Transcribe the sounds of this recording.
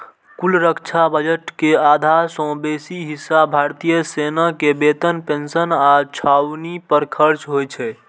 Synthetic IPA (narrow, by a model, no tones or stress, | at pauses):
kulɾəkt͡ʃʰabəd͡ʒəʈkead̪ʱaɾsə̃besiɦisːabʱaɾt̪ijəsenakebet̪ənpensənat͡ʃʰawnipəɾkʰəɾt͡ʃɦojt͡ʃʰɛ